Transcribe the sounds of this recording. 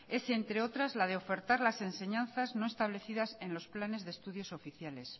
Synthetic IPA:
e̞se̞nt̪ɾe̞o̞t̪ɾazlað̞eo̞fe̞ɾt̪aɾlase̞nse̞ɲãnθazno̞e̞st̪aβ̞le̞θiðase̞nlo̞splane̞zðest̪uðjo̞so̞fiθjale̞s

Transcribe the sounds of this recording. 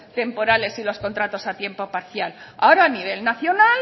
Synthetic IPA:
t̪e̞mpo̞ɾale̞silo̞sko̞nt̪ɾat̪o̞sat̪je̞mpo̞paɾθjala̰oɾaːniβ̞e̞lnaθjo̞nal

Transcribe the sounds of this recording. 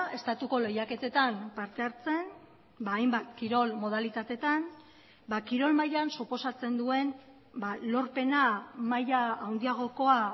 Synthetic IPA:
e̞st̪at̪uko̞le̞jake̞t̪e̞t̪ampaɾt̪e̞aɾt͡se̞n | baːjmbat̪kiɾo̞lmo̞ð̞alit̪at̪e̞t̪an | bakiɾo̞lmajansupo̞sat͡se̞nd̪ue̞n | balo̞ɾpe̞namajaːwnd̪iaɣ̞o̞ko̞a

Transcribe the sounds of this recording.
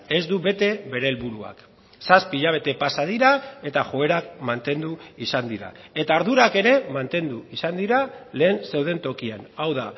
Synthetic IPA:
e̞zd̪uβe̞t̪e̞βe̞ɾe̞ːlβuɾua̰k | saspiʎaβe̞t̪e̞pasað̞iɾae̞t̪aʝo̞e̞ɾak̚mant̪e̞nd̪uisand̪iɾa̰e̞t̪aːɾðuɾake̞ɾe̞mant̪e̞nd̪uisand̪iɾale̞ːnse̞wð̞e̞nt̪o̞kianawða

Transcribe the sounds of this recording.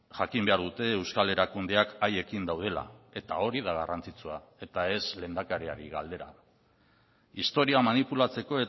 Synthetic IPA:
ʝakimbe̞aɾðut̪e̞ːwskale̞ɾakund̪e̞akaje̞kind̪awð̞e̞la̰e̞t̪ao̞ɾiðaɣarant͡sit͡sua | e̞t̪ae̞sle̞ːnd̪akaɾea̰ɾiɣa̰ld̪e̞ɾa̰ | ist̪o̞ɾiamanipulat͡se̞ko̞e̞

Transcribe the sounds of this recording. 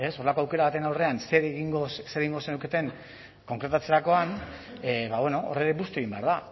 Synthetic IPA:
e̞so̞re̞lakoawke̞ɾaβat̪enawre̞anseɾeɣiŋɡosseɾeɣiŋɡo̞senewke̞t̪e̞ŋ | ko̞ŋkɾe̞t̪at͡se̞ɾako̞an | βaβwe̞no̞o̰reɾe̞bust̪e̞ɣimbe̞a̰ɾða

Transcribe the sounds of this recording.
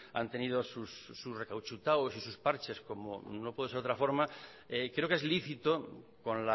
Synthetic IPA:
a̰nt̪e̞nið̞osusːusre̞kawt͡ʃut̪awosisuspaɾt͡ʃe̞sko̞mo̰nopweðeɾot̪ɾafo̞ɾma | ekɾe̞oke̞zliθit̪okonla

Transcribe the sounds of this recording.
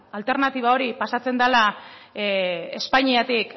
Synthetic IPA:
alt̪e̞ɾnat̪iβ̞ao̞ɾipasat͡se̞nd̪ala | espaɲiat̪ik

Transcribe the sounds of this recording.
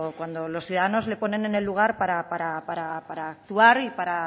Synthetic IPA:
kwand̪o̞lo̞sθjuðaðano̞zle̞po̞ne̞ne̞ne̞lːuɣ̞aɾpaɾapaɾapaɾapaɾaːk̚t̪uaɾipaɾa

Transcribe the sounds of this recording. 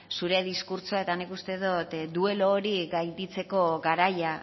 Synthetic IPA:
suɾe̞ðiskuɾt͡ʃoae̞t̪anikust̪e̞ðot̪d̪ue̞loːɾiɡajd̪it͡se̞ko̞ɣaɾaja

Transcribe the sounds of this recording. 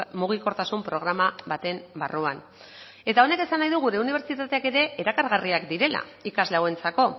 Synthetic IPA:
muɣ̞iko̞ɾt̪asumpɾo̞ɣ̞ɾamaβat̪e̞mba̰ruan | e̞t̪ao̞ne̞ke̞sanːajðuɣuɾe̞uniβ̞e̞ɾt͡ʃit̪at̪e̞ake̞ɾe̞ʔeɾakaɾɣariakd̪iɾe̞la̰ikazlawe̞nt͡sako̞

